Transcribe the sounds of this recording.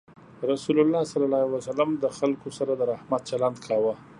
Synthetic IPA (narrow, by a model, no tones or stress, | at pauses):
ɾasulʊlːɑsalalɑwasalamd̪əxalkosaɾad̪əɾahmat̪̚t͡ʃaland̪kʰɑwa